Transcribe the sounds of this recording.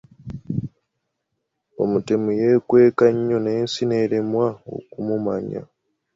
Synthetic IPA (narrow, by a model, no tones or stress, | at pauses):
o̰mutemujekwe̞ːkaɲːoneːnsineɾemwao̰kumuma̰ɲa̰